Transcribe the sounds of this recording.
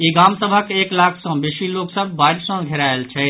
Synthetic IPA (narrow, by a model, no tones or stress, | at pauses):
iɡamsəbʱəkeklakʰsə̃besiloksəbʱbaɾsə̃ɡʱeɾaelt͡ʃʰɛ